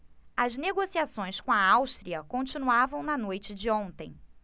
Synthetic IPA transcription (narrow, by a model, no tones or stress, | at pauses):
ɐzneɡosiasõj̃skõɐawʃt̪ɾiɐkõnt͡ʃinuavɐ̃w̃nɐnojt͡ʃɪd͡ʒɪõnt̪ẽj̃